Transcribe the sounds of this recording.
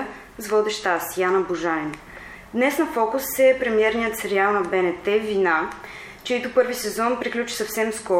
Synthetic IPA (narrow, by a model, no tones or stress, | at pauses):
zvɔd̪ɛʃt̪asjanəbuʒain | d̪nɛsnɐfɔkʊsːɛpɾɛmiɛɾnijət̪sɛɾialˠnɐbɛnɛt̪ɛvina | t͡ʃɛit̪ʊpɤɾvisɛzɔnpɾiklʲut͡ʃi̥sɐfsɛmskɔ